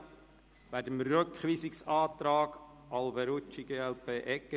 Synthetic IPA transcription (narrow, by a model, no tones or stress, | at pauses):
ʋæːdəmɾøkχʋiːsɪksɑːt̪ɾɑːɡ | ɑlbɛɾut͡ʃːiɡeːɛlpʰeːʔɛkːə